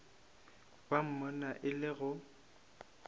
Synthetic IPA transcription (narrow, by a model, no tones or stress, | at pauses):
b̥am̩mʊnaʔɪlɪɣʊ